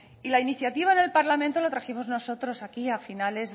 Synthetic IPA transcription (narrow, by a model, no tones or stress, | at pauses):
ilainiθjat̪iβ̞aene̞lpaɾlamẽnt̪o̞lot̪ɾaximo̞zno̞so̞t̪ɾo̞sakiafinale̞z